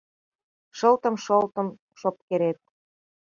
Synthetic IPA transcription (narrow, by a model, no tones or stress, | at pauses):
ʃɤ̆lt̪ə̆mʃolt̪ɤ̆m | ʃop̚keɾet̪̚